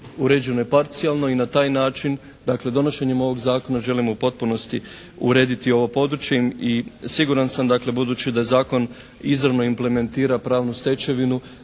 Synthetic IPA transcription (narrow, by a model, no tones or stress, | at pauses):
uɾe̞d͡ʒe̞no̞jepaɾt̪sialˠno̞inat̪aːjnaːt͡ʃin | d̪akle̞d̪o̞no̞ʃe̞ɲemo̞ʋo̞ɡzaːko̞naʒe̞limupo̞t̪̚puno̞st̪i | ṵɾe̞ːd̪it̪io̞ʋo̞po̞d̪ɾut͡ʃjemisiɡuɾansamd̪akle̞bud̪uːt͡ɕid̪aje̞zaːko̞n | izɾaʋno̞imple̞me̞nt̪iːɾapɾaːʋnust̪e̞t͡ɕe̞ʋinu